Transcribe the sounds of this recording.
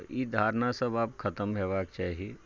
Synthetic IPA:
jid̪ʱaːɾnasɐbaːp̚kʰɐt̪əmɦɛːʋaːkt͡ʃaːɦie

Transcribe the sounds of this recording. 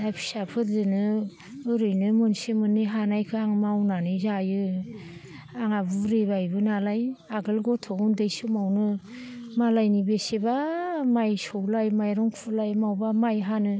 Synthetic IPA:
apʰi̥sapʰɯɾdɯnɯ | ɯɾɯjnɯmɯnsemɯnːiɦanajkʰɯaŋmawnanɯzajɯ | aŋabuɾebajbɯnalajaɡɯlɡɔtʰɔɡundɯjsɯmawnɯ | malajnibesebamajsɔwlajmajɾɔŋkʰulajmawbamajɦanɯ

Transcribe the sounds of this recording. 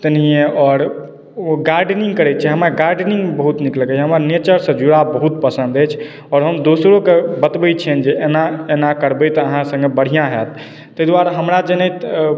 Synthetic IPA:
t̪ənijẽɔːɾ | oɡaɾɖniŋɡkəɾɛt͡ʃʰɛɦəmaɡaɾɖnĩŋɡbəɦut̪nikləkət͡ʃʰɦəməɾnet͡ʃəɾsə̃d͡ʒuɽabəɦut̪̚pəsə̃nd̪ət͡ʃʰ | ɔːɾɦəmd̪osɾokebət̪bɛt͡ʃʰɛnd͡ʒeenaenakəɾbət̪ɔːɦãsə̃ŋɡebəɽ̤ijãɦɛt̪̚ | t̪ːəjd̪waɾɦəmɾad͡ʒənɛt̪

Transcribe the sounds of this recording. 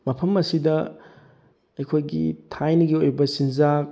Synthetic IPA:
mɐpʰɐmɐsidɐ | ɐjkʰojɡḭtʰajniɡiojbɐsinza

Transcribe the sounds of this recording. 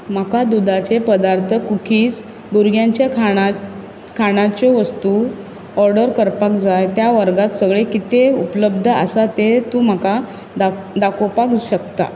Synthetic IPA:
m̤akad̪ud̪at͡ɕepəd̪aɾt̪ʰəkukʰiːt͡s | buɾɡjãɲt͡ɕjak | kʰaɽ̃ãt͡ɕeʋəst̪u | ɔɾɖəɾkəɾpakd͡zajt̪jaʋəɾɡat̪səɡɭekit̪eupləb̚d̪ʱəə̰sat̪et̪ũm̤əka | ad̪akopakɕək̚t̪a̰

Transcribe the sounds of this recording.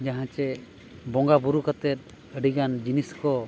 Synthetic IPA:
d͡ʒaɦãt͡ʃɛ | bɔ̃ŋɡabuɾukət̪ɛt̪̚ | əɖiɡand͡ʒiniskɔ

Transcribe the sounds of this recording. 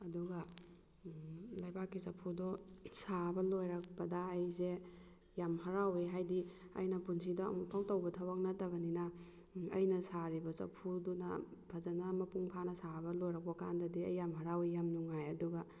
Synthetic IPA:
ɐduɡɐ | lɐjbakːisɐpʰudɔsabɐlojɾak̚bɐdɐːjze | jamɦɐɾaweɦajdi | ɐ̰jnɐpuns̬ida̰ːmupʰawtawbɐtʰawaknɐtɐbɐninɐ | ɐ̰jnɐsaɾibɐsɐ̰pʰudunɐ̰pʰazɐnamɐpuŋpʰanɐsabɐlojɾak̚bɐkandɐdiɐ̰jːamɦɐɾawijamnuŋajɐduɡɐ

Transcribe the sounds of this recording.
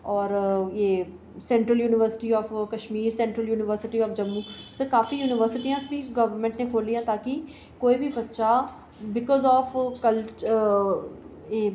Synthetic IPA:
ɔːɾjeː | sɛ̃ɳʈɾəljuːnɪʋəɾsɪ̥ʈiɔːfkɐʃmiːɾsɛ̃ɳʈɾəljuːnɪʋəɾsɪʈiɔːfd͡ʒɐmːuːsekaːfijuːnɪʋəɾsɪʈijãsbʱiɡɐʋəɾmɛ̃ɳʈnẽkʰoːlːijãt̪aːki | koːibʱibɐtːʃa | bɪkɔːzɔːfkəlt͡ʃ | eː

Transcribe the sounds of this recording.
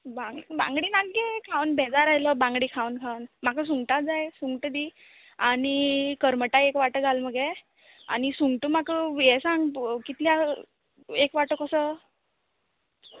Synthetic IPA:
bãŋɡbã̰ŋɡɽiːnaɡɡekʰawnbʱed͡zaɾaɦjləbãŋɡɽiːkʰawnkʰawnmakəs̬uŋɡʈad͡zajsuŋɡʈəd̪i | anikəɾməʈaekʋaʈəɡʱalməɡe | a̰nisuŋɡʈəmakəjɛsãŋɡkit̪lja | ekʋaʈəkəsə

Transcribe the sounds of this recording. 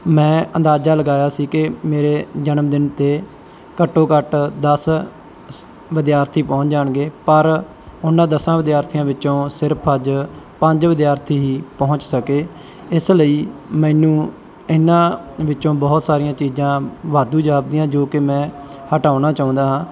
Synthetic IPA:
mɛ̃ːə̃nd̪aːd͡ʒaːləɡaːjaːsiːkɪmeːɾeːd͡ʒənəmd̪ɪnt̪eː | kəʈːoːkəʈd̪əs | ʋɪd̪jaːɾt̪ʰiːpɔ̃ːʊ̃ɲt͡ʃd͡ʒaːɳɡeːpəɾ | ʊnːãːd̪əsãːʋɪd̪jaːɾt̪ʰijãːʋɪt͡ʃːõːsɪɾpʰəd͡ʒ | pəɲd͡ʒʋɪd̪jaːɾt̪ʰiːɦiːpɔɦʊ̃ɲt͡ʃsəkeː | ɪsləiːmɛ̃ːnũː | ɪnːãːʋɪt͡ʃːõːbɔːt̪saːɾijãːt͡ʃiːd͡ʒãːʋaːd̪uːd͡ʒaːb̚d̪ijãːd͡ʒoːkɪmɛ̃ː | həʈaːʊnaːt͡ʃaːʊ̃nd̪aːɦãː

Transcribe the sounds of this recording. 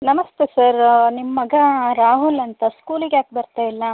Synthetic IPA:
nɐmɐst̪esɐɾnimɐːɐɡɐɾaːɦulɐnt̪ɐskuːliɡeaːk̚bɐɾt̪aːilːɐ

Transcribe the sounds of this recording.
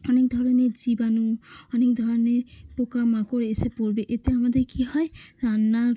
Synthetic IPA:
ɔnek̚d̪ʱɔɾɔned͡ʒibanuɔnek̚d̪ʱɔɾɔnepɔkamakoɾeesepɔɹbeʔeteamad̪ejkʰihɔjana

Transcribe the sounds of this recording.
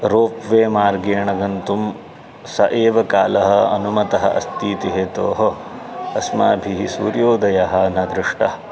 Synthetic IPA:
ɾoːpʋeːmaːɾɡeːɳɐɡɐnt̪um | sɐʔeːʋɐkaːlɐɦɐɐnumɐt̪ɐɦɐ̰ʔɐ̰st̪iːt̪iɦeːt̪oːɦo | ɐsmaːbʱiɦisuːɾjoːd̪ɐjɐɦɐnɐd̪ɾɪʂʈɐɐ

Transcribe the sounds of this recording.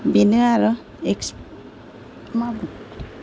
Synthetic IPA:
binɯaɾɔ | eks | mabu

